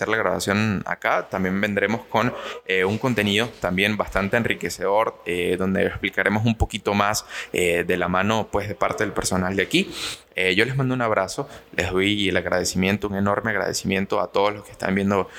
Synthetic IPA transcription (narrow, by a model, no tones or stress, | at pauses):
seɾlaɣɾaβa̰sjo̞na̰kat̪ambje̞mbe̞nd̪ɾe̞mo̞sko̞neuŋko̞nt̪e̞niðo̞t̪ambje̞mbast̪ant̪eːnrike̞se̞ðo̞ɾeðo̞nd̪eːsplikaɾe̞mos̬umpo̞kit̪o̞maseðe̞lamãno̞pwe̞sðe̞paɾt̪e̞ðelpe̞ɾso̞nald̪eaki | eʝo̞le̞zmãnd̪ounaβɾaso̞lʔe̞zðojelaɣɾaðe̞simje̞nt̪ouŋe̞no̞ɾme̞aɣɾa̰ð̞esimjẽ̞nt̪o̞a̰t̪o̞ð̞ozlo̞skest̪a̰mbje̞nd̪o̞